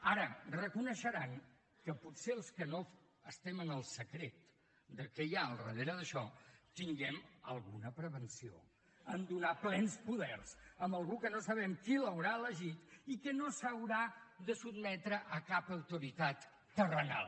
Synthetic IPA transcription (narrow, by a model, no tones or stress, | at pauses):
aɾərəkunəʃəɾaŋ | kəputseəlˠskəno | əst̪ɛmənəlˠsəkɾet̪ | d̪əkɛjaəlˠrə̰ðeɾəðəʃɔt̪iŋɡɛmə̰lˠɣunəpɾəβənsio̰ | ənd̪unaplɛnspuðɛrz̥əmbəlˠɣukənosəβ̞ɛmkiləwɾaələʒit̪ikənosəwɾaðəsubmɛt̪ɾəʔəkapəwt̪uɾit̪at̪ː | ərəna̰lˠ